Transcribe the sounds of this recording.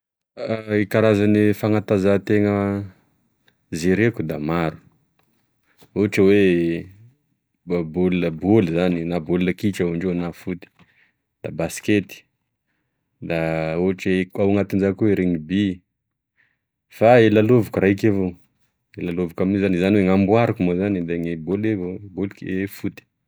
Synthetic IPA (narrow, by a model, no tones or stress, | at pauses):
ekaɾazanifaŋat̪azat̪eŋə | zeɾekud̪amaɾu̥ | uaʈ͡ʂəwe | buləbulizaninabulunəkiʈ͡ʂawaɳɖ͡ʐenafut̪i̥ | d̪̥abasi̥ket̪i̥ | d̪aoaʈ͡ʂekawŋat̪ind͡ʒakueɾeŋibi | faelalovukuraikavo | elalovukamniuzanizaniweŋambwaɾukumozanid̪eŋebolevobulkefut̪i̥